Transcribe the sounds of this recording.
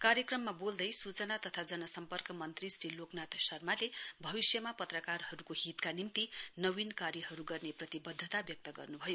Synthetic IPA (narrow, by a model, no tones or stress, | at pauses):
kaɾjʌkrʌmːabold̪ʌjsut͡sʌnat̪ʌt̪ʰad͡zʌnʌsʌmpʌrkʌmʌnt̪risɾiloknat̪ʌsʌrmalebʱʌβisjʌmapʌt̪rʌkarɦʌɾukoɦit̪kanint̪inʌwinkaɾjʌɦʌɾuɡʌrneprʌt̪ibʌd̪ʱːʌt̪abjʌk̚t̪ʌɡʌ̰rnubʱʌjo